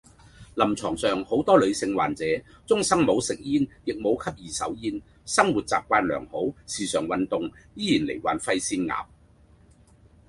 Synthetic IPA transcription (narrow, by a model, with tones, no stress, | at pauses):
lɐ˨˩mt͡sʰɔː˨˩ŋsœː˨˩ŋho˨˥wt̪ɔː˥lɵ˨˧ɥsɪ˧ŋwaː˨˩nt͡sɛː˨˥ | t͡sʊ˥ŋsɐ˥ŋmo˨˧˥wsɪ˨k̚jiː˥njɪ˨k̚mo˨˧wkʰɐ˥p̚jiː˨sɐ̰˨˥wjiː˥n | sɐ˥ŋwuː˨t̚t͡sa̰ː˨p̚kʷaː˧nlœ̰ː˨˩ŋho˨˥wsiː˨sœː˨˩ŋwɐ˨nt̪ʊ˨ŋjiː˥jiː˨˩nlḛ˨˩jwa̰ː˨˩nfɐ˧jsiː˧nŋa̰ː˨p̚